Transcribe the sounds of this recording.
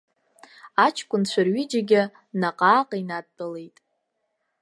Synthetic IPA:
at͡ʃʰkʷʼʊnt͡ɕʷʰarɥid͡ʒaɡʲɪ | naqʼaːqʼainad̚bʼɨle̞jtʼ

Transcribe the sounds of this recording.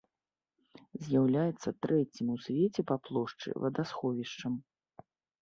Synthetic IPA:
zʲjawlʲajɛt̪sːɐt̪ɾɛt͡sʲimusʲvʲɛt͡sʲɛpaplˠɔʂt͡ʂɨ̰vɐd̪asxɔvʲiʂt͡ʂɐm

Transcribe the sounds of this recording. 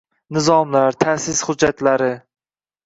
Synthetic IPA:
nɪzɒmlaɾt̪ʰasɪshʊd͡ʒːat̪laɾɪ

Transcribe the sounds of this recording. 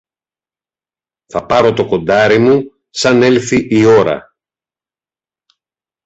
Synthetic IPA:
θɐpɐɾo̞t̪o̞ko̞nd̪ɐɾimu | sɐne̞lθiʔio̞ɾɐ̰

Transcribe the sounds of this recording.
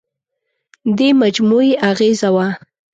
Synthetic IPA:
d̪emad͡ʒmueʔaɣezawa

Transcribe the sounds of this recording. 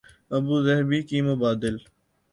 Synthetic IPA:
ɐbuːzɐɦbiːkiːmʊbaːd̪ɪl

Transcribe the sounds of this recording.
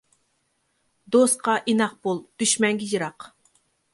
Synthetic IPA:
d̪ost̪qɑʔinɑq̚b̥olˠd̪̥yʃmɛŋɡʲijɨɾɑq

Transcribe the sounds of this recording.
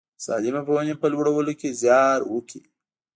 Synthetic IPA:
sɑ̰d̪ɪmapəwanapəlwəɽawəlokezjɑɾwəki

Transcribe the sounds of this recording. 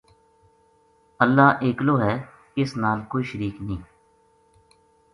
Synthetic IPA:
əlːaːʔeːkloːɦɛː | ɪsnaːlkoːiːʃəɾiːknĩː

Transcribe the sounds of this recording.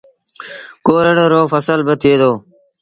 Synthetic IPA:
koːɾəɽəɾoːfəsəlbət̪ʰiːd̪oː

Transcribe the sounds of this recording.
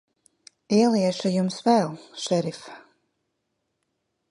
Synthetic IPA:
iɛlˠiɛʃajumsvɛlˠʃɛɾif

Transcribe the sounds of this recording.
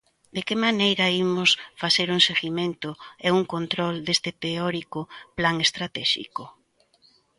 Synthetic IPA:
d̪ekɪmanejɾɐimʊsfaθeɾuŋseɣimẽnt̪ʊɛuŋkont̪ɾɔld̪est̪ɪt̪eɔɾikʊplaŋest̪ɾat̪ɛʃḭkʊ

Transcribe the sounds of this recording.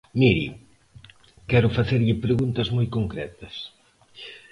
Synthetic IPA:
miɾḭ | kɛɾʊfaθeɾʎɪpɾeɣunt̪ɐzmojkoŋkɾɛ̰t̪ɐs

